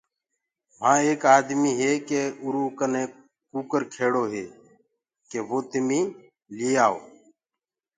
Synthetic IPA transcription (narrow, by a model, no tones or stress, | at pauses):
mãːeːkaːd̪miːɦeːkeːʊɾoːkənẽː | kuːkəɾkʰeːɽoːɦeː | keːʋoːt̪ɪmĩː | liːaːo̰ː